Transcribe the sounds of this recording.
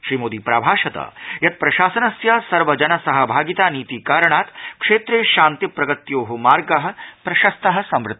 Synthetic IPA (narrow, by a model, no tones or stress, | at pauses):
ʃɾiːmoːd̪iːpɾa̰ːbʱaːʃɐt̪ɐ̰jɐt̪̚pɾɐʃaːsɐnɐsjaːsɐɾʋɐd͡ʒɐnɐsɐɦɐbʱaːɡit̪aːniːt̪iːkaːɾɐɳ̃aːt̪kʂeːt̪ɾeːʃaːnt̪ipɾɐɡɐt̪joːɦumaːɾɡɐɦɐ̆pɾɐʃɐst̪ɐɦɐ̆sɐmɾʊt̪ː